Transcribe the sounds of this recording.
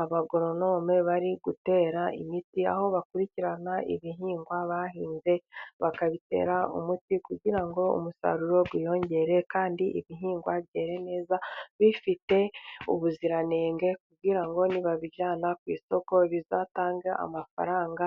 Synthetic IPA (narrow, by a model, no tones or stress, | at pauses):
aβaɡo̞ɾo̞no̞ːmeβaɾiɡute̞ːɾaʔḭmitia̰ho̞βakuɾiciɾanaḭβiɦiːŋɡwaβaɦiːnze̞βakaβite̞̰ːɾaṵmutikuɟiɾaŋɡo̞ṵmusa̰ɾuɾo̞ɡwijo̞ːɲɟe̞ɾe̞kaːndiʔḭβiɦiːŋɡwaβɟe̞ːɾe̞ne̞ːzaβifite̞ṵβuziɾane̞ːŋɡe̞kubɡiɾaŋɡo̞niβaβiɟaːnakwiːso̞ko̞βizaːtaːŋɡaʔa̰mafa̰ɾaːŋɡa